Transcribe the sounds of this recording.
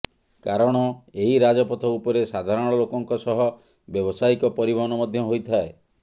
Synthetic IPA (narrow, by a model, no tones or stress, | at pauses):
kaɾɔɽ̃ɔeɦiɾad͡ʒɔpɔt̪ʰɔupɔɾesad̪ʱaɾɔɽ̃ɽ̃ɔlokɔŋkɔsɔɦɔ | bjɔbɔsaikɔpɔɾibʱɔɦɔnɔmɔd̪ʱjɔɦojt̪ʰae